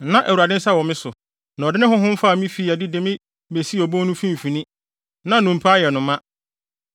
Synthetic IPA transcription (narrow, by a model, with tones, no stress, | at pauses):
nã˦ʔæ˨wu˨ɾa˨dɪ̃˦n̩˦sa˦wɔ˨mɪ̃˦sʊ˨ | nã˨dɪ˦nɪ̃˦ɦʊ̃˦ɦʊ̃˦m̩˦fa˦˨mĩ˦fiː˦˨a˨dɪ˦de˨mɪ̃˦ | be˨si˦ɔ˨bõ˦nʊ̃˦fĩ˦m˨fĩ˨nĩ˦ | nã˨nʊ̃˨m̩˨pʰa˦jɛ˨nʊ̃˨mã˦